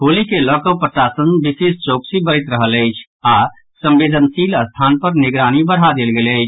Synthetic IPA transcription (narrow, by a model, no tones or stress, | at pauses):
ɦoːlikeləkəwpɾətaːsənbisist͡ʃoːksibəɾit̪ɾəɦələɪt͡ʃʰ | a | sə̃mbeːd̪ʱənsiːləst̪ʰaːnpəɾnɪɡɾaːnibəɽ̤ad̪eːlɡeːləɪt͡ʃʰ